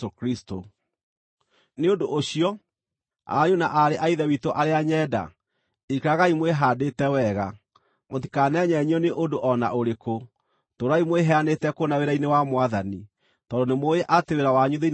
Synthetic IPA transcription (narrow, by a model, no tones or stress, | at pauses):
okɾisto | neondoʔɕiɔ | a̰jonaʔaɾeʔaiðɛwitoʔaɾeaɲɛda̰ | ikɾaɣaimweɦaːdetɛwɛɣa | moti̥kanɛɲɛɲɔneʔondoʔɔna̰oɾeko | toɾaimweɦɛanetɛkonaweɾainewamwaðani | tɔdonemoeʔateweɾawaɲuðein